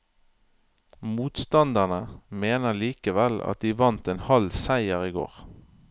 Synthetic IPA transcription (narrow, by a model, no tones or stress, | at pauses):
muːt̪st̪ɑnd̪əʁnəmeːnəliːkəʋɛlɑ̰t̪̚d̪iːʋɑnt̪eːnhɑlsæɪəʁiːɡo̰ːʁ